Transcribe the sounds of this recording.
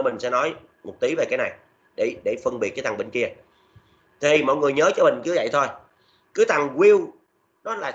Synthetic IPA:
mï˨˩ŋ̟sɛ̰˧˥nɔ˨˦j | mo˨˩t̚t̪i˨˦ve˨˩kaː˨˦jna˨˩j | ɗe˧˩ɗe˧˩fə˧nɓi˨˩t̚kːaː˨˦t̪a˨˩ŋɓï˧˩ŋ̟ki˧ə | t̪ʰi˨˩mɔ̰˧˨jŋɨ˨˩əjɲəː˨˦t͡ɕɔ˧mï˨˩ŋ̟kɨ˨˦və̰˧˨jt̪ʰo˧j | kɨ˨˦t̪a˨˩ŋki˧w | ɗɔ˨˦laː˨˩

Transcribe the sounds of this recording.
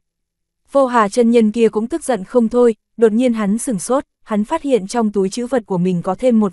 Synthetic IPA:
vo˧ɦaː˨˩t͡ɕə˧nɲə˧nki˧əkʊ̰˧˥ŋ͡mt̪ɨ˦˥k̚zə̰˧˨nxə˧wŋ͡mt̪ʰo˧j | ɗo˨˩t̚ɲi˧ənɦa˨˦nsɨ˨˧˩ŋso˦˥t̚ha˨˦n̟faː˦˥t̚hḭ˧˨ənt͡ɕɔ˧wŋ͡mt̪u˨˦jt͡ɕɨ̰˧˥və˨˩t̚ku˧˩əmï˨˩ŋ̟kɔ˨˦t̪ʰe˧mːo˨˩t̚

